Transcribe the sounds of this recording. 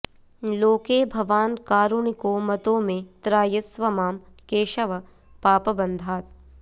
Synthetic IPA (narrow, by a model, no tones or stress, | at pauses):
loːkeːbʱɐʋaːnkaːɾuɳɪkoːmɐt̪õːmẽt̪ɾaːjɐsʋɐmaːmkeːʃɐʋɐ | paːpɐbɐ̃nd̪ʱaːt̪̚